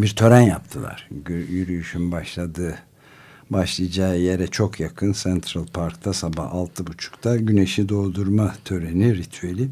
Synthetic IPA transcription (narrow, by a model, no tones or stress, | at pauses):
biɾt̪ʰø̞ɾænjapt̪ʰɯlˠa̰ɾ̥jyɾyjyʃynbaʃlˠad̪ɯː | baʃlˠɯjd͡ʒaːje̞ɾɛt͡ʃʰo̞kʰjakʰɯnsɛnt̪ʰɾalˠpʰaɾkt̪ʰasaba̰halˠt̪ʰɯbut͡ʃʰu̥kt̪ʰaɟyne̞ʃid̪o̞ːd̪uɾmat̪ʰø̞ɾeniɾit̪ʰyelʲi